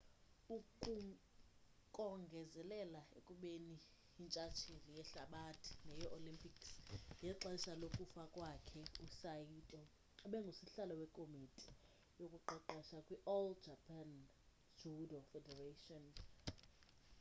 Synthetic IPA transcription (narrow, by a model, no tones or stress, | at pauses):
ukʼu | kʼɔŋɡʱɛzɛlɛlaekʼuɓeniː | nt͡ʃʼat͡ʃʰilijɛɬaɓatʰi̥nɛjɔʔolimpʰʼiksjɛǁaisalokʼufakʼwakʰɛusajitʼɔ | ɓɛŋɡʱusiɬalɔwɛkʼomitʼi̥ | jokʼuǃɔǃɛʃakʼwiʔɔld͡ʒʱapʰʼan | d͡ʒudɔfɛdɛratʼɔn